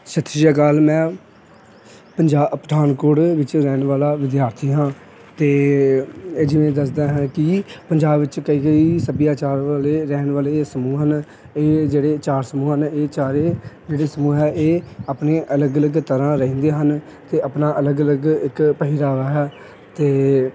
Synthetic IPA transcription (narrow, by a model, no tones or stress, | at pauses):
ʃət̪ʰːɾijaːkaːlmɛ̃ː | pəɲd͡ʒaːpɾəd̪ʰʱaːnkʊɽʋɪt͡ʃɾɛːnʋaːlaːʋɪd̪jaːɾt̪ʰiːɦãː | t̪eː | eːd͡ʒɪʋẽːd̪əs̬d̪aːɦãːkɪpəɲd͡ʒaːbʋɪt͡ʃkəiːɡəiːsəbjaːt͡ʃaːɾʋaːleːɾɛːnʋaːleːsəmuːɦən | eːd͡ʒeːɽeːt͡ʃaːɾsəmuːɦəneːt͡ʃaːɾeːd͡ʒeːɽeːsəmuːɦɛːʔeːaːpneːʔələɡələɡt̪əɾãːɾəĩːnd̪eːɦən | t̪eːʔapnaːʔələɡələɡɪkpəɦiɾaːʋaːɦɛː | t̪eː